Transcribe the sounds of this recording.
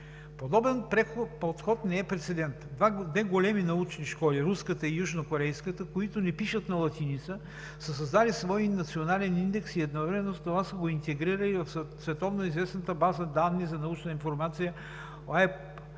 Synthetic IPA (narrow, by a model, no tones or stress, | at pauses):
pod̪ɔbɛnpɾɛpot̪xɔt̪nɛɛpɾɛt̪sɛd̪ɛnt̪vad̪vɛɡolɛminɐut͡ʃniʃkɔliɾuskət̪əijuʒnokoɾɛjskət̪əkoit̪onɛpiʃət̪nɐlˠɐt̪init̪sə | səs̬ɐzd̪alisvɔinɐt̪sionalɛnind̪ɛksiɛd̪nɔvɾɛmɛnozt̪ovasəɡoint̪ɛɡɾiɾəlivɐfsvɛt̪ɔvnoizvɛsnət̪əbazəd̪anːizɐnɐut͡ʃninfoɾmat̪sijə | oaɛp